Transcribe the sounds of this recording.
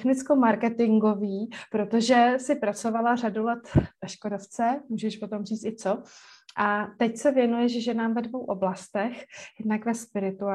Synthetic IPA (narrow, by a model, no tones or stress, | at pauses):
xnɪt͡skomaɾkɛt̪ɪŋɡo̞viːpɾo̞t̪o̞ʒɛsɪpɾat͡so̞valar̝adulɛt̪vaʃkodoft͡sɛmuːʒɛʃpo̞t̪o̞mr̝iːt͡st̪ɪt͡so̞ | ʔat̪ɛcsɛvjɛnujɛʒɛʒɛnaːmvɛdvo̞wʔo̞blast̪ɛxjɛdnakvɛspɪɾɪt̪ua